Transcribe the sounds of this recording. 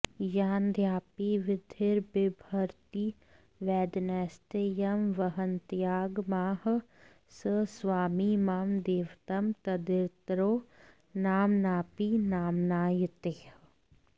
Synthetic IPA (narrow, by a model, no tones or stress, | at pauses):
jaːnd̪ʱjaːpiʋɪd̪ʱɪɾbɪbʱɐɾt̪iː | ʋɛːd̪nɛːst̪ejɐmʋɐɦənt̪jaːɡmaːh | səsʋaːmimaːmd̪eːʋt̪ɐmt̪ɐd̪ɪɾt̪ɾoː | naːmnaːpinaːmnaːjt̪eːh